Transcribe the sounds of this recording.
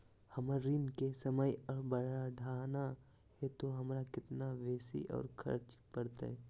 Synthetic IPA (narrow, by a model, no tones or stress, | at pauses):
hɐməɾinkesɐməjɔːɾbəɽaɖʱaːna | hɛt̪oɦɐmɾakɪt̪naʋeːsḭʔɔ̰ːɾkʰɐ̰ɾt͡ʃpəɽt̪a̰ɛ